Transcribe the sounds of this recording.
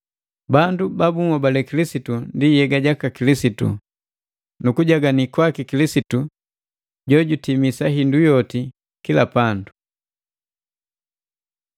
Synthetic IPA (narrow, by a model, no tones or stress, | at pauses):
bandubabuŋɔbalɛkilisitundijɛɡaɟakakilisitṵ | nukuɟaɡanikwakikilisitu | ɟɔɟutimisaɦindujɔti | kilapandu